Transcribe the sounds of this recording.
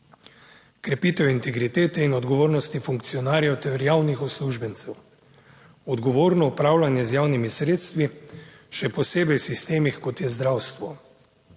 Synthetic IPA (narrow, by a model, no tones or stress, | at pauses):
kɾɛpiːt̪ɛwint̪ɛɡɾit̪eːt̪ɛinɔd̪ɡɔʋoːɾnɔst̪ifuŋk̚t̪sijɔnaːɾjɛwt̪ɛɾjaːwnixɔsluʒbɛnt̪sɛw | ɔd̪ɡɔʋoːɾnɔupɾaːwlanjɛzjawnimisɾeːt̪st̪ʋi | ʃɛpɔseːbɛjwsist̪eːmixkɔt̪jɛzd̪ɾawst̪ʋɔ